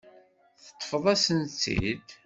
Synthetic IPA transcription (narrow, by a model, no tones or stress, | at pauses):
θə̥t̪ˤːfəðˤæsənt͡sːḭd̪